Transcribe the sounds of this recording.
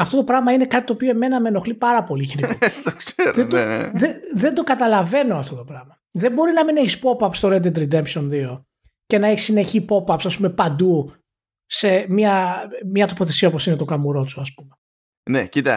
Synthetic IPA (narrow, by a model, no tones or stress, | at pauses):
ɐft̪o̞t̪o̞pɾɐɣmɐine̞kɐt̪i̥t̪oːpio̞eme̞nɐme̞no̞xlipɐɾɐpo̞liçiniit̪okseɾðed̪oḛðeðe̞nd̪o̞kɐt̪ɐlɐve̞no̞ɐft̪o̞t̪o̞pɾɐɣmɐ | ðe̞bo̞ɾinɐmineçispo̞pɐpst̪oɾed̪ed̪ɾid̪e̞mpʃonðio̞ | ce̞nɐeçi̥sine̞çipo̞pɐpsɐspume̞pɐnd̪u | se̞miɐmɲɐt̪o̞po̞θe̞siɐopo̞sinet̪okɐmuɾo̞t͡suɐspume | necit̪ɐ̰